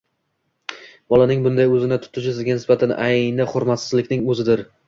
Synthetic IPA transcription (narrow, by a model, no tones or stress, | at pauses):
bɒlˠanɪŋbʊnd̪ajɵzɪnɪt̪ʰʊ̥t̪ʰɪʃ̬ɪsɪzɡʲanɪsbat̪ʰanʔajnɪχʊɾmat̪sɪzlɪkʲnɪŋɵzɪd̪ɪɾ